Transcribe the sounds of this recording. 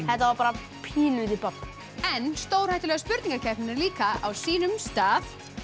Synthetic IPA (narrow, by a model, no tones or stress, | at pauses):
hɛht̪avaɾpaːɾa | pʰiːnʏðɪpapː | ɛnːst̪owɾhajht̪ɪlɛɣaspʏɾt̪nĩŋkaɾcʰɛhnɪnaɾliːkaʔawsiːnʏmst̪aːθ